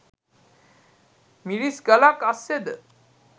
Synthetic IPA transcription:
miɾisɡəlakasːed̪ə

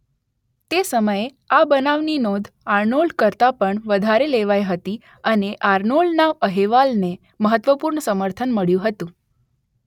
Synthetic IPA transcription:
t̪esəməje | abənaʋninod̪ʱ | aɾnolkəɾt̪apəɳʋəd̪ʱaɾeleʋajɦət̪i | əneʔaɾnoɭnaʋəɦeʋalne | məɦət̪ʋəpuɾɳəsəməɾt̪ʰənməɭjũɦət̪ũ

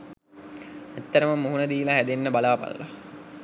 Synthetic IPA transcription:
æt̪ːəɾəməmuɦunəd̪iːlaɦæd̪enːəbalaːpa̰lːa̰

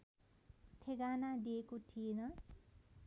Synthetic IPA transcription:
t̪ʰeɡanad̪iekoʈʰijenʌ

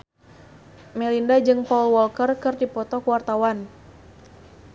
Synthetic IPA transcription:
mɛlindad͡ʒɨŋpɔlwɔlkərkɨrdipɔt̪ɔkəwart̪awan

